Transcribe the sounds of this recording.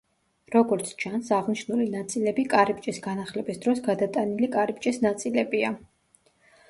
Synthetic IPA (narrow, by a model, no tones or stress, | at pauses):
ɾɔɡɔɾt̪sʰt͡ʃʰansaʁniʃnulinat̪sʼilɛbikʼaɾip̚t͡ʃʼisɡanaχlɛbisd̪ɾɔsɡad̪at̪ʼanilikʼaɾipt͡ʃʼisnat̪sʼilɛbia